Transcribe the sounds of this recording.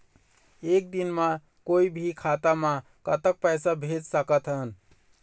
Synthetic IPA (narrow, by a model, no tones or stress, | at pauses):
ek̚d̪inmã | koibʱikʰat̪amã | kət̪ək̚pəjsabʱed͡ʒsəkət̪ɦən